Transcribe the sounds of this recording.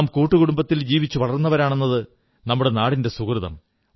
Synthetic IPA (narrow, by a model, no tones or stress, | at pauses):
mkuːʈːuɣuɽumbɐt̪ːild͡ʑiːʋit͡ɕːuʋɐɭɐrnːɐʋɐɾaːɳe̞nːɐðɨ | nɐmːuɽenaːɽinde̞sukrɨðɐ̰m